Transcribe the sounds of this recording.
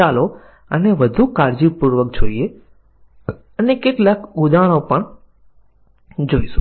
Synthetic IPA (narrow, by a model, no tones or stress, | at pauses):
alo | əneʋəd̪ʱukaɾd͡ʒipuɾʋək̚d͡ʒʱoie | ənekeʈlakʊd̪aɽ̃õpəɳ | d͡ʒoːisũ̥